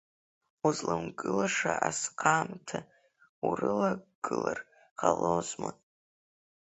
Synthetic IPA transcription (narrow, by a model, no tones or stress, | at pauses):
uzlɨmɡɨlaʂaʔasqʰamtʰa | urɨlaɡɡ̥ɨlar | qalozma